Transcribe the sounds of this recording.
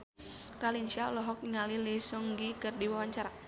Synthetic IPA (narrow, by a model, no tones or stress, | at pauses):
ralinsialɔɦɔk̚ɲalilisɔŋɡikərdiwawaɲt͡ʃaɾa